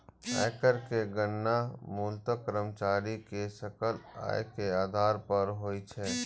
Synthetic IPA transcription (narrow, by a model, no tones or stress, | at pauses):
a̰ːkəɾkeɡənːamuːlt̪əkəɾəmt͡ʃaːɾikesəkəla̰ːekeaːd̪ʱaːɾpəɾɦoːit͡ʃʰɛː